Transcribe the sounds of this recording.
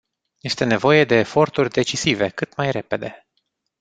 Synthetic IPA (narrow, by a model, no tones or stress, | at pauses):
je̞st̪e̞ne̞vo̞je̞d̪e̞ːfo̞rt̪urʲd̪e̞t͡ʃisive̞kɨt̪majɾe̞pe̞d̪e̞